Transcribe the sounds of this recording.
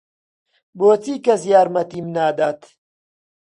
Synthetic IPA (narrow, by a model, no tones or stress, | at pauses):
boːt͡siːkɐsjaːɾmɐt̪iːmnaːd̪aːt̪